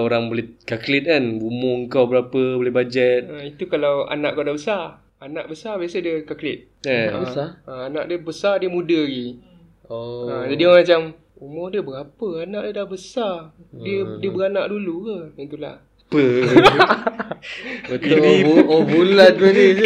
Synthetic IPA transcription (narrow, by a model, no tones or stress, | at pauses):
oɾaŋbolɛkaklɪt̪̚kanbumoəŋkawbəɾapəbolɛhbad͡ʒɛt̪̚əit̪ukalawa̰naʔkawdabəsar | ana̰ʔbəsarbiasədiəkaklɪt̪̚ | əbəsaəana̰ʔdiəbəsardiəmudəɡi | əd͡ʒadiɔmat͡ʃam | umɔhdəbəɡapəanaʔdiədahbəsar | diədiəbəɾanaʔdulukəint̪ula̰h | pə | t̪iibulanəe